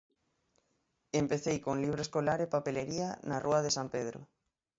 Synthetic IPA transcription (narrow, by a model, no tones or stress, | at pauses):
empeθejkoŋliβ̞ɾoeskolaɾepapeleɾianarʔuaðesampeðɾo̰